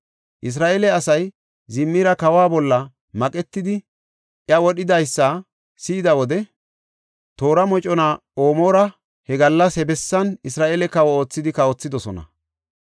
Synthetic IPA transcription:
ʔɪs̬ɾaːʔeːlɛɐsɐj | zɪmːiɾɐkɐwaːbɔlːɐ | mɐkʼɛt̪ːɪd̪ɪ | ʔjɐwɔɗɪd̪ɐjsːɐ | siːd̪ɐwɔd̪ɛ | t̪o̞ːɾɐmɔt͡ʃʼɔnaː | oːmoːɾɐ | hɛɡɐlːɐshɛbɛsːɐnɪsɾaːʔeːlɛkɐwɔo̞ːt͡sːɪd̪ɪkɐɔt͡sːɪd̪ɔsɔnɐ̰

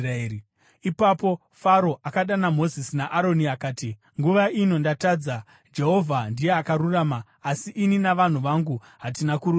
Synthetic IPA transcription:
e | ipapo̞ | faɾo̞ʔakaɗanamo̞zisinaʔaɾo̞niakaːti | ŋɡuʋaino̞ndatad͡za | d͡ʒe̞ɦo̞vʱandijeakaɾuraːmaː | siʔininaʋan̤uʋaŋɡu | ɦatinakuɾu

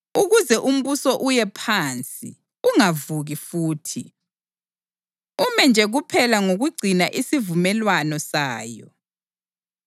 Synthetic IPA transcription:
uɣuzɛʔum̩βusɔʔujɛpʰant͡sʼḭ | uŋavuɣifuːtʰi | umɛnd͡ʒʱɛɣupʰɛlaŋoɣuɡ͡ǀʱinaʔisivumɛlwanɔsaːjɔ̰

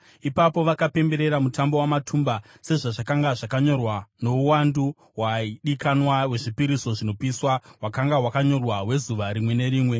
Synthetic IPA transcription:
ipapo̞ʋakape̞mbe̞ɾe̞ɾamutambo̞wamatʰumba | se̞ʐaʐakaŋɡaʐakaɲo̞rwano̞uwandu | waiɗikanwawe̞ʐipiɾiso̞ʐino̞piswaɦwakaŋɡaɦwakaɲo̞rwawe̞zuʋaɾimwe̞ne̞ɾiːmwe̞

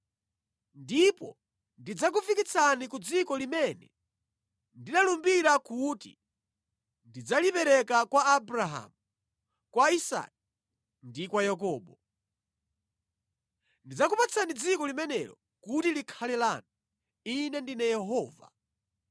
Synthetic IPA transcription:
ndipɔ | ndid͡zakufikit͡sʰanikud͡zikɔlimɛnɛ̰ | ndinalumbiɾakutḭ | ndid͡zalipɛɾɛkakwaːbɾaɦa̰mu | kwaisa̰ki | ndikwajakɔːɓɔ | ndid͡zakupat͡sʰanid͡zikɔlimɛnɛɾɔ̰ | kutilikʰalɛlanɔ | inɛndinɛjɛɦɔːva̰

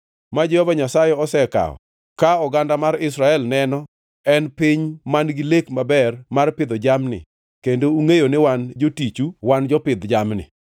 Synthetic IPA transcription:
mad͡ʒɛhɔvaɲasajɛɔsɛka̰ɔ̰ | kaɔɡandamaɾɪsɾaɛlnɛnɔ | ɛnpiɲmanɡilekmabɛrmarpɪd̪ɔd͡ʒamnɪ̰ | kendouŋejonewand͡ʒotit͡ʃuwand͡ʒɔpɪd̪d͡ʒamnɪ̰

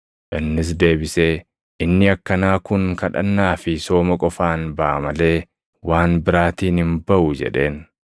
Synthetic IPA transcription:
ʔɪnːɪs̬d̪e̞ːbɪse̞ː | ʔɪnːɪɐkːɐnaːkʊŋkɐᶑɐ̰nːaːfɪso̞ːmɐkʼɔfaːnbɐʔɐmɐle̞ː | waːnbɪɾaːt̪iːnhɪnbɐʔʊd͡ʒɛ̰ᶑe̞ːn

